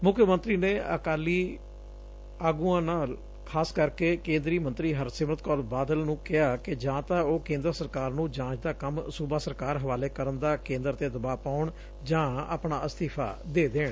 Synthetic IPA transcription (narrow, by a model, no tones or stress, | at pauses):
mʊkʰːjəmə̃nt̪ɾiːneːə̰kaːliː | aːɡuːãːnaːl | kʰaːskəɾkeːkẽːnd̪ɾiːmənt̪ɾiːɦəɾsɪmət̪kɔːlbaːd̪əlnũːkɪɦaːkɪd͡ʒãːt̪ãːoːkẽːnd̪əɾsəɾkaːɾnũːd͡ʒãːt͡ʃd̪aːkəmsuːbaːsəɾkaːɾɦəʋaːleːkəɾənd̪aːkẽːnd̪əɾt̪eːd̪əbaːpaːʊɳ | d͡ʒãːa̰ːpɳaːəst̪iːpʰa̰ːd̪eːd̪eːɳ